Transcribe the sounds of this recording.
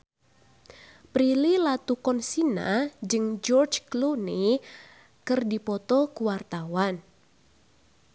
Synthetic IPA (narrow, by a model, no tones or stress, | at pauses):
pɾililat̪ukɔnsina̰d͡ʒɨŋd͡ʒɔrt͡ʃkluni | kɨrdipɔt̪ɔkuwart̪awan